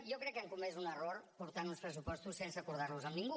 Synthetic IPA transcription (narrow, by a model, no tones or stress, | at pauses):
jɔkɾɛkːəŋkumɛzunəroɾpuɾt̪anunspɾəs̬upɔst̪usːensəkuɾð̞aɾluzəmniŋɡu